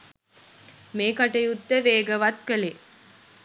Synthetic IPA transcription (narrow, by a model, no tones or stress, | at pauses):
meːkɐʈɐjud̪ːəʋeːɡəʋat̪kəle